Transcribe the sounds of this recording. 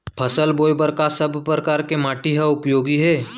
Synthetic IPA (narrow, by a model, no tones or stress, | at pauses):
pʰɐsəlboːjbəɾkasəbʱpɾəkaːɾkemaːʈiɦaʊpjoːɡiɦɛː